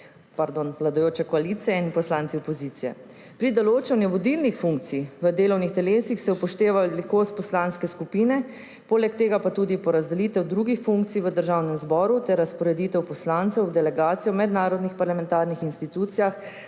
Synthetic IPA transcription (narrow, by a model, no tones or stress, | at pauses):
paɾd̪oːnʋlad̪ɔjoːt͡ʃɛkɔaliːt̪sijɛinpɔslaːnsiɔpɔzit̪sijɛ̰ | pɾid̪ɔloːt͡ʃɛwnɛʋɔd̪ilnixfuŋk̚t̪siʋəd̪eːlɔwnixt̪ɛleːsixsɛupɔʃt̪eːʋalikoːst̪̚pɔslaːnskɛskupiːnɛ | poːlɛk̚t̪eːɡapat̪uːd̪ipɔɾazd̪ɛliːt̪ɛwd̪ɾuːɡixfuŋk̚t̪sijʋəd̪əɾʒaːwnɛmzbɔːɾut̪ɛɾːaspɔɾɛd̪it̪ɛwpɔslaːnt̪sɛwd̪ɛlɛɡaːt̪sijɔmɛd̪naːɾɔd̪nixpaɾlamɛ̃nt̪aːɾnixinst̪it̪uːt̪sijax